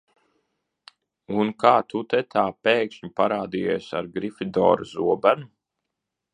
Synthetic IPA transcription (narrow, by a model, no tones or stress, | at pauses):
unkaːt̪ut̪ɛt̪ʰaːpeːkʃɲupaɾaːd̪ijɛːsaɾɡɾifid̪ɔ̰ːɾuzuɔbænu